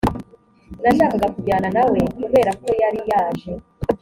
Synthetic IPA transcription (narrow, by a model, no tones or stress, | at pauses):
naʃaːkakakuɟaːnanawe̞kuβe̞ːɾako̞jaɾijaːʒe